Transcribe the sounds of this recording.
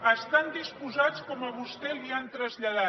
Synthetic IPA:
əst̪and̪ispuzat͡skɔməβust̪ɛliant̪ɾəzʎaða

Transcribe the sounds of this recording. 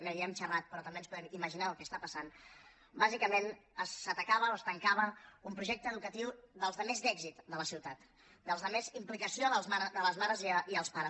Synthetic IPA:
nəβiəmt͡ʃərat̪̚pɾɔt̪əmbeənspuðɛmiməʒinaəlˠkɛst̪apəsan | bazikəmenəsːət̪əkaβəoəst̪əŋkaβəumpɾuʒɛk̚t̪əːðukət̪iwðəlˠzðəmezd̪ɛɡzit̪d̪ələsiwt̪at̪ | d̪əlˠzðəmezimplikəsioðəlˠmaɾðələzmaɾəziiəlˠspaɾəs

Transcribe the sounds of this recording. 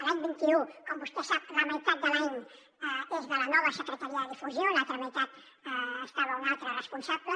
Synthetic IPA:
əlaɲbint̪iukɔmbust̪ɛsap̚ləməit̪at̪̚d̪əlaɲ | ezðələnɔβəsəkɾət̪əɾiəðəðifuzjonalˠt̪ɾəməit̪at̪ | əst̪aβəunalˠt̪ɾərəspunsaβlə

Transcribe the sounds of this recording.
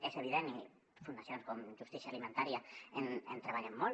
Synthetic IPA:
eseβ̞iðeni | fund̪aθjonskomʒust̪isjalimẽnt̪aɾjaenent̪ɾeβaʎemːo

